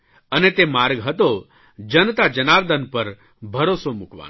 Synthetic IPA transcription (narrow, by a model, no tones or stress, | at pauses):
ənet̪emaɾɡɦət̪o | d͡ʒənt̪ad͡ʒənaɾd̪ənpəɾ | bʱəɾosomukʋa̰n